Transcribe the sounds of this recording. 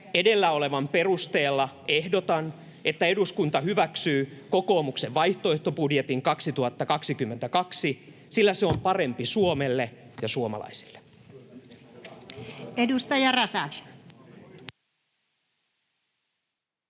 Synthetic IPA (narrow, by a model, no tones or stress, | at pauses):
ede̞lːæo̞le̞ʋɑmpe̞rust̪e̞ːlːɑ | ehdot̪ɑn | et̪ːæe̞duskunt̪ɑɦyʋæksyːko̞ko̞ːmukseʋʋɑjht̪oeht̪o̞budjet̪iŋkɑksit̪uhɑt̪ːɑkɑksikymːent̪ækɑksi | silːæseo̞mpɑre̞mpisuomelːejɑsuomɑ̰lɑ̰isi̥lːe | edust̪ɑjɑrɑsɑni